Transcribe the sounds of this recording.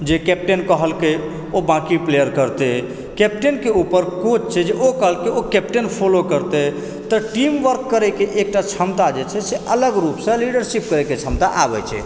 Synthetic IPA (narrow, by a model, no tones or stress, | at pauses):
d͡ʒekep̚ʈenkəɦəlke | obãkiplejəɾkəɾt̪e | kɛp̚ʈenkeupəɾkot͡ʃt͡ʃʰɛd͡ʒeʔokəɦəlkeokɛpʈenpʰolokəɾt̪e | t̪əʈimʋəɾkːəɾɛkeʔek̚ʈat͡ʃʰəmt̪ad͡ʒet͡ʃʰɛseʔələɡɾupsə̃liɖəɾsipkəɾɛket͡ʃʰəmt̪a̰ʔabɛ̰t͡ʃʰɛ̰